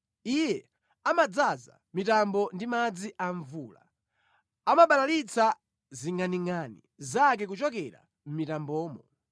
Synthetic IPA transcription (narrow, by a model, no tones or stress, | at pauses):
ijɛ | amad͡zaza̰ | mitambɔndimad͡ziʔaɱvuːla̰ | amaɓalalit͡sʰa | ziŋaniŋanḭ | zak̬ɛk̬ut͡ʃɔkɛɾa̰ | m̩mitambɔːmɔ